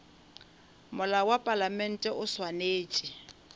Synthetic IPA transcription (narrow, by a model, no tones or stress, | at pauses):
mʊlawapʼalamɛn̩tʼɛʔʊswaneːt͡ʃʼɪ